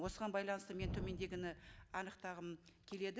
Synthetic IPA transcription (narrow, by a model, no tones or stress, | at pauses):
wo̞səʁɑnbɑjlˠɑnəst̪əment̪ʰɵme̞nd̪e̞ɡʲɪnɪɑnəqt̪ɑʁəmkʲʰe̞le̞d̪ɪ